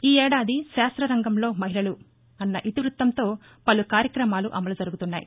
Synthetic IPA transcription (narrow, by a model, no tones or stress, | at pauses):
iːɛːɽaːd̪iʃaːst̪ɾɐɾɐŋɡɐmlo̞ːmɐɦilɐlu | ɐnːɐʔit̪iʋɾut̪ːɐmt̪o̞ː | pɐlukaːɾjɐkɾɐmaːluʔɐmɐlud͡ʒɐɾuɡut̪unːaːjḭ